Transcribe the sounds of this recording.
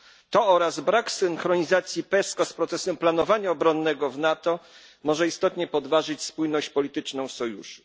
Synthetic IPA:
t̪ɔɔɾazbɾaksɘŋxɾɔɲizat̪sʲjipɛskɔspɾɔt̪sɛsɛmplanɔvaɲaɔbɾɔnːɛɡɔvnat̪ɔ | mɔʐɛist̪ɔt̪ɲɛpɔd̪vaʐɘt͡ɕspujnɔɕt͡ɕpɔlʲit̪ɘt͡ʂnɔ̃w̃fsɔjṵʂɨ̥

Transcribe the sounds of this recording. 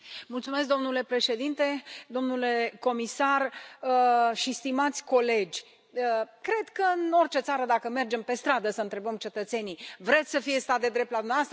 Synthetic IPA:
mult̪sumesk̚d̪omnule̞pɾe̞ʃe̞d̪int̪e̞d̪o̞mnule̞ko̞misar | ʃist̪imat̪sʲko̞le̞d͡ʒʲ | əkɾe̞d̪kəɨno̞rʲt͡ʃe̞t̪saɾəd̪akəme̞rd͡ʒe̞mpe̞st̪ɾad̪əsəɨnt̪ɾe̞bəmt͡ʃe̞t̪ət̪se̞nivɾe̞t̪sʲsəfije̞st̪at̪̚d̪e̞d̪ɾep̚t̪lad̪umavast̪ɾə

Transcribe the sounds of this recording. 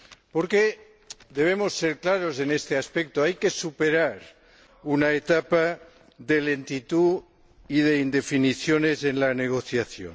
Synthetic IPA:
poɾke | d̪e̞β̞emo̞sːeɾklaɾo̞zenest̪easpek̚t̪oajke̞supeɾaɾ | unaet̪apa | ðe̞lent̪it̪u | iðe̞ind̪e̞finiθjone̞zenlane̞ɣ̞o̞θjaθjo̰n

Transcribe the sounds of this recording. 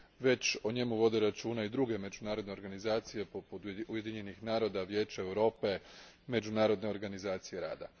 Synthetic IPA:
ʋe̞t͡ɕoɲe̞muʋo̞d̪e̞ɾat͡ʃuːnaid̪ɾuɡe̞me̞d͡ʒunaːɾo̞d̪ne̞o̞ɾɡanizaːt̪sije̞popud̪uje̞d̪iɲe̞nixnaːɾo̞d̪aʋje̞ːt͡ɕaewɾo̞ːpe̞ | me̞d͡ʒunaːɾo̞d̪ne̞o̞ɾɡanizaːt̪sije̞ɾa̰ːd̪a̰

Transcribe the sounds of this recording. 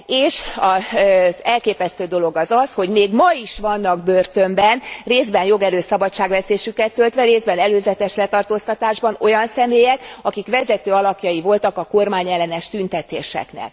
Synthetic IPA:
eːʃɒzɛlkeːpɛst̪øːd̪o̞lo̞ɡɒzɒsho̞ɟmeːɡmɒiʃʋɒnːɒɡ̚børt̪ømbɛnreːzbɛnjo̞ɡɛɾøːsɒbɒtt͡ʃːaːɡʋɛseːʃykɛt̪ːølt̪ʋɛɾeːzbɛnɛløːzɛt̪ɛʃlɛt̪ɒrt̪oːst̪ɒt̪aːʒbɒno̞jɒnsɛmeːjɛkɒkikʋɛzɛt̪øːɒlɒkjɒjivo̞lt̪ɒkɒko̞rmaːɲɛlːɛnɛʃt̪ynt̪ɛt̪eːʃɛ̰knḛːl

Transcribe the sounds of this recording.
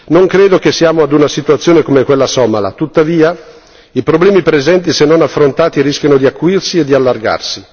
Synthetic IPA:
noŋkɾeːd̪ok̟esːiaːmoad̪unasit̪uat̪sːjoːnekomekwelːasɔmala̰t̪ut̪ːaviːa | ipɾoblɛːmipɾezɛnt̪isenːonafːɾont̪aːt̪iɾisk̟janod̪iakːuirsied̪ːialːarɡa̰rsi

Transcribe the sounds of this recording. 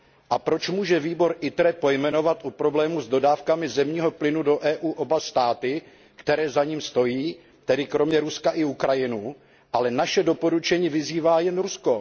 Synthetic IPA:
ʔapɾo̞t͡ʃmuːʒɛviːbo̞ɾʔɪt̪ɾɛpo̞jmɛno̞vat̪ʔupɾo̞blɛːmuzdo̞daːfkamɪzɛmɲiːɦo̞plɪnudo̞ʔɛːʔuːʔo̞bast̪aːt̪ɪ | kt̪ɛɾɛːzaɲiːmst̪o̞jiː | t̪ɛdɪkɾo̞mɲɛɾuskaʔɪukɾajɪnu | ʔalɛnaʃɛdo̞po̞ɾut͡ʃɛɲiːvɪziːvaːjɛnɾusko̞

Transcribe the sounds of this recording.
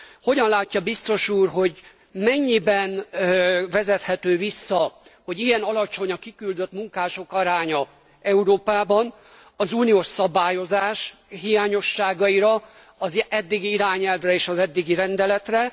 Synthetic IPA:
ho̞ɟɒnlaːcːɒbist̪o̞ʃuːrɦo̞ɟ | mɛɲːibɛn | vɛzɛt̪hɛt̪øːvisːɒho̞ɟijɛnɒlɒt͡ʃo̞ɲɒkikyld̪ø̞t̪muŋkaːʃo̞kɒɾaːɲɒ | ɛuɾoːpaːbɒn | ɒzuːnijoːʃsɒbaːjo̞zaːʃɦijaːɲo̞ʃːaːɡɒiɾɒ | ɒzɛd̪ːiɡiiɾaːɲɛlvrɛeːʃɒzɛd̪ːiɡiɾɛnd̪ɛlɛt̪rɛ

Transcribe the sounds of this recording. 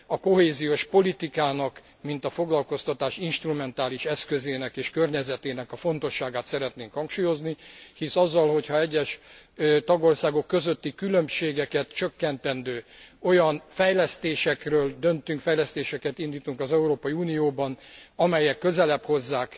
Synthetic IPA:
ɒko̞ɦeːzijoʃpo̞lit̪ikaːnɒk | mint̪ɒfo̞ɡlɒlko̞st̪ɒt̪aːʃinʃt̪rumɛnt̪aːliʃɛskøzeːnɛkeːʃkørɲɛzɛt̪eːnɛkɒfo̞nt̪o̞ʃːaːɡaːt̪sɛɾɛt̪neːŋkhɒŋkʃuːjo̞znihisɒzːɒlho̞chɒɛɟːɛʃ | t̪ɒɡo̞rsaːɡo̞kːø̞zøt̪ːikylømʃeːɡɛkɛt̪t͡ʃøkːɛnt̪ɛnd̪øːo̞jɒnfɛjlɛst̪eːʃɛkrøːld̪ønt̪yŋkfɛjlɛst̪eːʃɛkɛt̪ind̪iːt̪uŋkɒzɛuɾoːpɒiuːnijoːbɒnɒmɛjːɛkːø̞zɛlɛpho̞zːaːk

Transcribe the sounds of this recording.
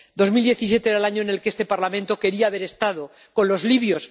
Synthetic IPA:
d̪o̞zmild̪je̞θisje̞t̪eeɾalaɲo̞ene̞lkeest̪e̞paɾlamẽ̞nt̪o̞ke̞ɾiaːβ̞e̞ɾe̞st̪að̞o̞ | ko̞nlo̞zliβjo̞s

